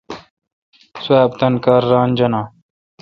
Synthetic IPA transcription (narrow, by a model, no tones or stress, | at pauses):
swaːb̚t̪ɐnkaːɾːaːnd͡ʑɐnaː